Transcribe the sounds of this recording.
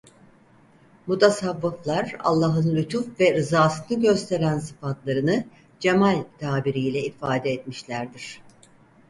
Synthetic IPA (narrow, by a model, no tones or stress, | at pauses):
mut̪ʰesavːɯflˠaɾa̰lˠːaɦɯnlʲyt̪ʰufvɛɾɯzaːsɯnɯɟø̞st̪ʰe̞ɾænsɯ̥fat̪lˠaɾɯnɯ | d͡ʒemalʲt̪ʰaːbiɾijlʲɛifaːd̪ɛːt̪miʃlʲæɾd̪iɾ̝̥